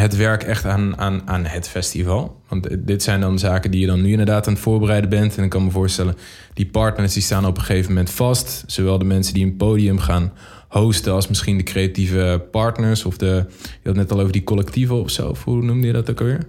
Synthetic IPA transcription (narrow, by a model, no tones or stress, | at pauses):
ɦətʋɛɹkɛχtaːnaːnaːnɦətfɛstivɑlˠʋɑntdɪtsɛjndɑnzaːkəndijədɔnːyɪndədaːtaːnətfʊːɹbərɛjdəbɛntɛnɪkːɑnməvʊːɹstɛlən | d̥ipɑɹtnəɹsdistaːnɔpəχejvəmɛntfɑstsowʋɛlˠdəmɛnsəndiənpoːdiəmχaːn | howstəɑlˠsmɪsχindəkrejativəpɑɹtnəɹsɔfdəjəɑtnɛtɑlˠowvəɹdikɔlɛk̚tivəɔfso̰wɔfɦunumdəjədɔtokəʋɪːɹ